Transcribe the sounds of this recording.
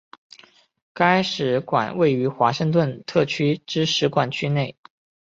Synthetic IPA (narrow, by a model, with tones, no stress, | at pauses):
ka˥ɪʂɻ̩˨˧˥kwa̰˨˩nwe˥˩ɪy˧˥xwa˧˥ʂɤ˥˧ŋt̪̬wə˥˧nt̪ʰɤ˥˩t͡ɕʰy˥ʈ͡ʂɻ̩˥ʂɻ̩˧˥kwa˨˩nt͡ɕʰy˥ne˥˩ɪ